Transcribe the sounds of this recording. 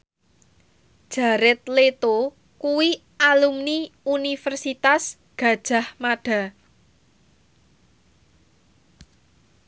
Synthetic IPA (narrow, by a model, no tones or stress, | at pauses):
d̥ʒ̥a̤ɾɪt̪̚let̪o | kuwi | alumniunifərsit̪as | ɡ̥a̤d̥ʒ̥a̤hmaɖ̥a̤